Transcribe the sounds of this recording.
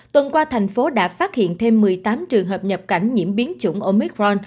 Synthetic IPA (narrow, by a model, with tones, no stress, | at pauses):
t̪wə˨˩nkwaː˧t̪ʰa˨˩jŋ̟fo˨˦ɗa̰ː˧˥faː˦˥t̚hḭ˧˨ənt̪ʰe˧mːɨ˨˩əjt̪aː˨˦mt͡ɕɨ˨˩əŋɦəː˨˩p̚ɲə˨˩p̚ka˧˩jŋ̟ɲḭ˧˥əmɓi˨˦ənt͡ɕṵ˧˩ŋ͡mʔo˧mi˦˥kɹɔ˧n